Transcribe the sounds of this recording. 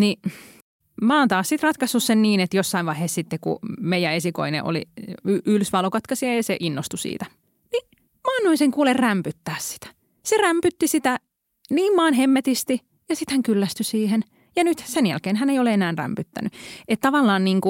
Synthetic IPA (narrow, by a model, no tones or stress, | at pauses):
ni | mɑːnt̪ɑːssit̪rɑt̪kɑsːussenniːnet̪josːɑiʋʋɑiheːssit̪ːekṵmeijæesiko̰inḛʔo̰lḭyʔylsʋɑlokɑt̪kɑsiɑjɑseʔinːost̪usḭːt̪æ | ni | mɑːnːuiseŋkuːlerræmpyt̪ːæːssi̥t̪æ̥ | seræmpyt̪ːisit̪æ | niːmmɑːnɦemːet̪ist̪i | jɑsit̪hæŋkylːæst̪ysiːhen | jɑnyt̪senjæ̰lkeːnhæneijoleenæːnræ̰mpyt̪ːæ̰nyet̪t̪ɑʋɑlːɑːnniːŋku